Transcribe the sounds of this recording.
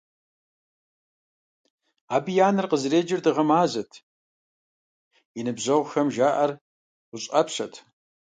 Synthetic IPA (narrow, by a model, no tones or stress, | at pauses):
aːbijaːnɨrqəzreːd͡ʒɪrdɨʁɐmaːzɐtʰ | inɨbʑɐʁʷxɐmʒaːʔɐrʷ | ʊɕʼɐpʰʂɐtʰ